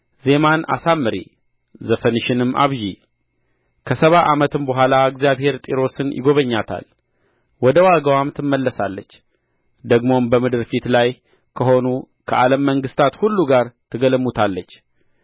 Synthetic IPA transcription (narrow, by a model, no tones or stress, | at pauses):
ze̞mana̰samːɨɾi | zəfənɨʃɪnɨmːʔa̰βʒi | kʰəsəβaʔamət̪ɨmbəɦʷalaɨɡzijaβhe̞ɾt̪ʼiɾo̞sɨnjɪ̰ɡo̞βəɲːat̪ʰa̰l | wɔd̪əwaɡəwamt̪ʰɨmːəlːəsalːət͡ʃː | d̪əɡmo̞mbəmɨd̪ɨɾfit̪laj | kʰəɦo̞nu | kʰəʔaləmːəŋɡɨst̪ʰat̪hulːuɡaɾt̪ʰɨɡəlmːut̪ʰalːət͡ʃː